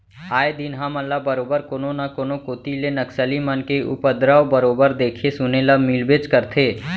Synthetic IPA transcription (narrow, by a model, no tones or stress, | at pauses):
aːed̪ɪnɦaməlːabəɾoːbəɾkoːnonakoːnokoːt̪ilenɐksəlimənkeʊ̰pəd̪ɾaːobəɾoːbəɾd̪eːkʰesʊnelamilbeːd͡ʒkəɾt̪ʰeː